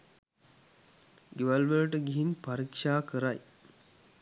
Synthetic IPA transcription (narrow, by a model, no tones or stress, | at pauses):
ɡeʋalʋələʈəɡiɦinpaɾikʂaːkəɾaj